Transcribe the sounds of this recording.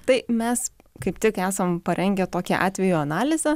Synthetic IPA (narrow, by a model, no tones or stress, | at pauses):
t̪ɐɪmʲɛskɐɪpt̪ʲɪkæːsɐmpɐɾʲɛŋʲɡʲɛt̪oːkʲɛ̰ʔɑ̰ːt̪ʲʋʲɛjuːɐnɑːlʲɪzʲɛ